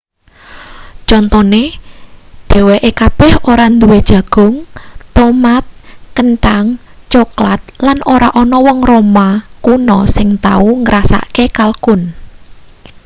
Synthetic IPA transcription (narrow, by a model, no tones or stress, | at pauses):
t͡ʃɔnt̪ɔne | d̪̥e̤weʔekab̥ɛ̤hoɾand̪uwed̥ʒ̥ä̤ɡ̥ʊ̤ŋt̪ɔmat̪̚kənʈaŋ | t͡ʃoklat̪̚lanoɾaʔɔnɔwɔŋromakunɔsɪŋt̪a̰uŋəɾʔasa̰kekalkʊn